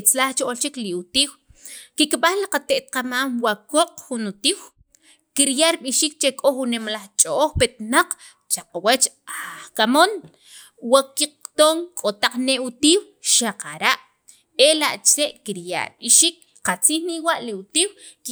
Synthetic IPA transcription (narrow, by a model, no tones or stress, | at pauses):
t͡slaχt͡ʃoʔolt͡ʃikliut̪iːwkikɓaχliqat̪eʔt̪̚qamaːmwakoqʼχunut̪iːw | kiɾjaʔɾɓiʃiːk̚t͡ʃekʼoχunːemalaχt͡ʃʼooχpet̪naq͡χ | t͡ʃaqawat͡ʃaχkamon | wakiqt̪oːŋkʼot̪aq͡χneʔut̪iːw | ʃaqaɾaʔ | elaʔt͡ʃɾeʔkiɾja̰ʔɾɓiʃiːk̚ | qat͡siːχniwaʔliut̪iːwk